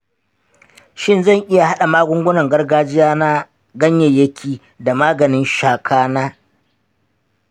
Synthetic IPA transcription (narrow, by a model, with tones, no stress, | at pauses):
ʃɪ˦nzɐ˦˨ŋʔɪ˦ja˨ha˦ɗa˨maː˦ɡʷʊ˦ŋɡʷʊ˦nɐ˨ŋɡɐ˦rɡaː˦d͡ʒɪ˦jaː˦na˦ | ɡɐ˦ɲjɛ˨jːɐ˦kʲʰiː˨ | da˨maː˦ɡɐ˨nɪ˦nʃaː˨kʰaː˦naː˦